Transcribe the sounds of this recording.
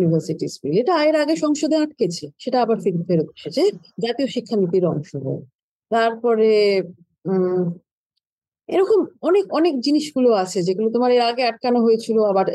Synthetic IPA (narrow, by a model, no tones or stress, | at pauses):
nibʱaɾsiʈispileʈaaeɾaɡeʃɔŋʃod̪ʱeaʈ̚ket͡ɕʰeʃeʈaabaɾfiɾfeɾot̪o̥ʃet͡ɕʰe | d͡ʑat̪ioʃikʰːanit̪iɾɔ̰ŋʃoɦo̰ | t̪aɾpɔɾe | ḛɾɔkomɔnekɔnekd͡ʑiniʃɡuloat͡ɕʰed͡ʑeɡulot̪omaɾeɾaɡeaʈ̚kanoɦojet͡ɕʰiloabaɾ